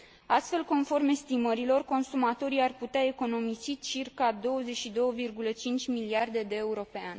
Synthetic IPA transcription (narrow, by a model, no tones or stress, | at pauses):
ast̪fe̞lko̞nfo̞rme̞st̪iməɾilo̞rko̞nsumat̪o̞ɾiarput̪eae̞ko̞no̞misit͡ʃirkad̪o̞wəze̞ʃid̪o̞wəvirɡulət͡ʃint͡ʃʲmiliard̪e̞d̪e̞ːuɾo̞peanʲ